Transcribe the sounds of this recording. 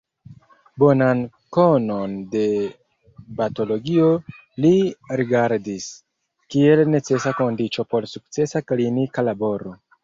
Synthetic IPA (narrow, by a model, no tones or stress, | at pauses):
bo̞nan | ko̞no̞nde̞ | bato̞lo̞ɡio̞ | liɾiɡaɾdis | kie̞lne̞t͡se̞sako̞ndit͡ʃo̞po̞ɾsuk̚t͡se̞saklinikalabo̞ɾo̞